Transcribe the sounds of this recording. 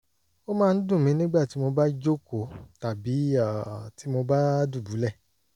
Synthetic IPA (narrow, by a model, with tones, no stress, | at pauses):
o˦mãː˦˧n̩˦dũ˦˨mĩ˨˦nĩ˦ɡ͡ba˦˨ti˨˦mo˧ba˦d͡ʒo˦ko˨ta˨bi˨˦a˦˨ti˨˦mo˧ba˦du˦˨bu˨˦lɛ˦˨